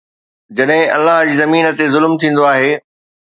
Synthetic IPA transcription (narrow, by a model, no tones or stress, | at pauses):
d͡ʑɐɗɦɪ̃ɐ̰lːaɦd͡ʑiːzɐmiːnə̆t̪ezʊlmt̪ʰĩːn̆d̪oaːɦeː